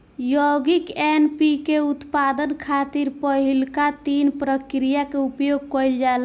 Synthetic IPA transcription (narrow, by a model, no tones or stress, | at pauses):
jɔɡikenpikeut̪pad̪ənkʰat̪iɾpəɦilkat̪inpɾəkɾijakeupjoɡ̚kɔjld͡ʒal